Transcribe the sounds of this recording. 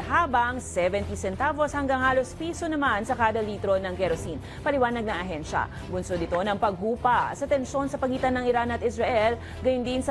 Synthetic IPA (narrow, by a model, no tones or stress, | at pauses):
haːbɐŋsɛvɛnt̪isɛnt̪aboshɐŋɡaŋhaːlospiːsonɐmansɐkaːd̪ɐliːt̪ɾonɐŋɡɛɾosin | pɐlɪwaːnɐɡ̚nɐŋɐɦɛnʃɐ̰ | ɡʊnsod̪ɪt̪o̞nɐŋpɐɡ̚huːpɐsɐt̪ɛnʃo̞nsɐpɐɡiːt̪ɐnːɐŋɪɾanɐt̪ʔɪsɾɐʔɛl | ɡɐjʊnd̪insɐ